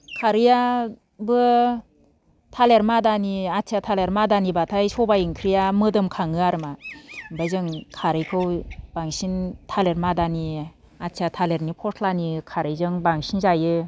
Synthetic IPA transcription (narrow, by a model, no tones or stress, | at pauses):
kʰaɾija | bɯ | tʰaleɾmadaniatʰijatʰaleɾmadanibatʰajsɔbajɯŋkʰɾijamɯdɯmkʰaŋɯaɾɯmabajzɯŋkʰaɾɯjkʰɯwbaŋsintʰaleɾmadani | atʰijatʰaleɾnipʰɔsʰlanikʰaɾɯjzɯŋbaŋsinzajɯ